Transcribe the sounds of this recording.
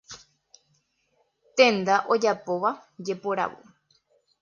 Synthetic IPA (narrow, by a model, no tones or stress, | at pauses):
t̪ẽnd̪aʔo̞d͡ʒapo̞ʋa | d͡ʒe̞poɾa̰ʋo̰